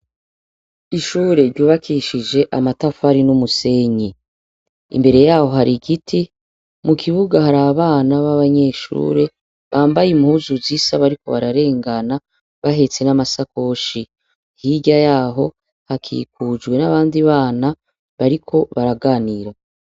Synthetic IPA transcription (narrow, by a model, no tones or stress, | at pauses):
iʃuːɾeɾɟuːβakʰiʃid͡ʒe̞ʔamatafaɾinumuse̞ɲi | ḭmbe̞ɾe̞jaːho̞ɦaɾiɡitʰi | mukʰiβuɡahaɾaβaβaːnaβaβaɲe̞ːʃṵːɾe̞ | βaːmbajimhuzuzisaβaɾiko̞̰βaɾaɾe̞ːŋɡana | βaɦe̞t͡se̞namasako̞ʃi | hiɟajaːɦo̞ | hakʰḭk̚uːd͡ʒwe̞naβaːndiβaːna | βaɾikʰo̞βaɾaɡaːniɾa